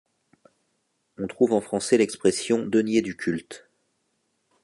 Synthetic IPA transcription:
ɔ̃t̪χuvɑ̃fχɑ̃sɛlɛkspχɛsjɔ̃d̪ənjed̪ykʲʰylt̪

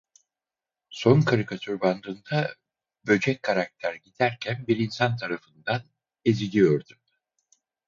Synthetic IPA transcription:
so̞nkʰaɾikʰat̪ʰyɾband̪ɯːnd̪a | bø̞d͡ʒɛckʰːaɾak̚t̪ʰæɾɟid̪̥æɾcʰænbiɾinsant̪ʰaɾafɯnd̪an | ezilʲijo̞ɾd̪um

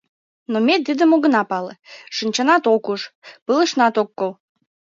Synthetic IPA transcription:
nomed̪ɨd̪əmoɣə̆nɑpɑlə̰ʃənʲt͡ɕɑnɑt̪okuʃpələ̆ʃnɑt̪okːol

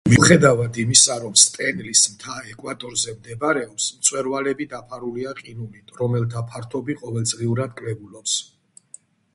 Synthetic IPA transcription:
miuχɛd̪avad̪imisaɾɔmst̪ʼɛnlismt̪ʰaɛkʼwat̪ʼɔɾzɛmd̪ɛbaɾɛɔpsmt̪sʼwɛɾvalɛbid̪apʰaɾuliaqʼinumit̪ʰʼɾɔmɛlt̪ʰapʰaɾt̪ʰɔbiqʼɔvɛlˠd̪zʁiuɾad̪̚kʼɾɛbulɔps

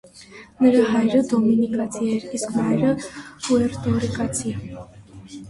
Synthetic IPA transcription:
məɾɑɦɑjɾəd̪ɔminikɑt͡sʰiɛɾiskmɑjɾəhuɛɾt̪ɔɾikɑt͡sʰi

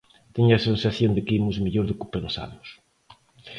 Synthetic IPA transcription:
t̪eɲʊɐsensaθjond̪ɪkɪimʊzmiʎoɾðɪkʊpensa̰ðʊs

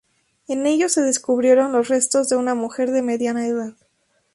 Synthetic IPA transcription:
e̞ne̞ʝo̞se̞ðe̞skuβɾje̞ɾo̞nlo̞sre̞st̪o̞zðe̞unamuxe̞ɾðe̞me̞ðjanaeðað

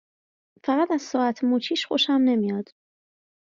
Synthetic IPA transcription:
fæɣæt̪æz̥sɒːæt̪ʰmuːt͡ʃʰiːʃxoʃæmne̞mijɒd̪̥

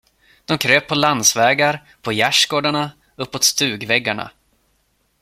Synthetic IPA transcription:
d̪̥ɔmkʰɾøːpʰːɔland̪svɛːɡaɾ | pʰɔjæʂɡoːɖaɳa | ɵpːot̪st̪ʉ̟ːɡvɛɡːaɳa̰

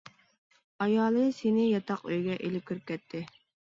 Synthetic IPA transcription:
ɑjɑːlˠɨsenɪjɑt̪ʰɑqøjɡʲɛʔelɪp̚kʲʰøɾp̚kʲʰɛt̪ʰːɪ

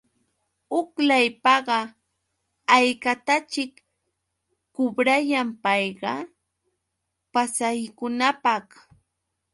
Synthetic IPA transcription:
ʊklajpɑɢɑ | ajkat̪at͡ʃɪk | ʊbɾajampɑjɢɑ | pasajkʊnapɑχ

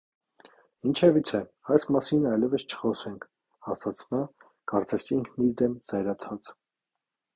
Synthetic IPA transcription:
int͡ʃʰɛvit͡sʰɛɑjsmɑsinɑjlɛvəst͡ʃʰə̥χɔsɛŋkʰ | hɑsɑt͡sʰnɑ | kɑɾt͡sɛsiŋkʰniɾd̪ɛmzɑjɾɑt͡sʰɑt͡s

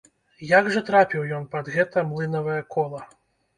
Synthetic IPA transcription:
jaɡʐɐt̪ɾapʲiwjɔnpɐd̪ɣɛt̪ɐmlˠɨnɐvɐjɐkɔlˠɐ

